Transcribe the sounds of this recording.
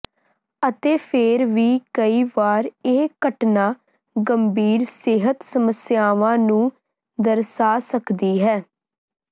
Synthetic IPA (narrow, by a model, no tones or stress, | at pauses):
ət̪eːpʰeɾʋiːkəiːʋaːɾeːkəʈnaː | ɡəmbiːɾsɪɦət̪səməsɪjaːʋãːnũː | d̪əɾsaːsəkd̪iːɦɛː